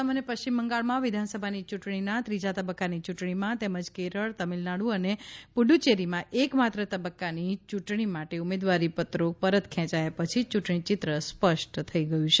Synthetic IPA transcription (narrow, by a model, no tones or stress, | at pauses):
əmənjəpəʃt͡ɕimːəŋɡaɭmãʋɪd̪ʱansəbʱanit͡ʃuʈɳ̃inãt̪ɾid͡ʒat̪əbəkːanit͡ʃuʈɳimãt̪eməd͡ʒkeɾəɭt̪əmilnaɽũənepuɖut͡ʃeɾimãʔekmat̪ɾət̪əbəkːanit͡ʃuʈɳimaʈeumed̪ʋaɾipət̪ɾopəɾət̪kʰɛ̃t͡ʃajapət͡ʃʰit͡ʃuʈɳit͡ʃɪt̪ɾəspəʃʈt̪ʰəiɡəjũt͡ʃʰe